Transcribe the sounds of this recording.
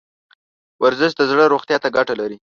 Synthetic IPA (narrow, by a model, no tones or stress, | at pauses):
waɾzɪʃd̪əzɽəɾoxt̪jɑt̪aɡaʈalaɾi